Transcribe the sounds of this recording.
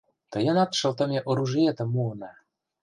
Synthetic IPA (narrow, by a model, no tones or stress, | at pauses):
t̪əjə̆nɑt̪ʃə̆lt̪ə̆mʲeʔoɾuʒiet̪ə̆mːuɤnɑ